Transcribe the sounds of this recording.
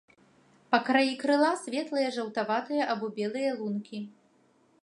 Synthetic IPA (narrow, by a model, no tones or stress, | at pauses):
pɐkɾajikɾɨlˠasʲvʲɛt̪lˠɨjɐʐɐwt̪avat̪ɨjɐʔabɔbʲɛlˠɨjɐlˠunkʲi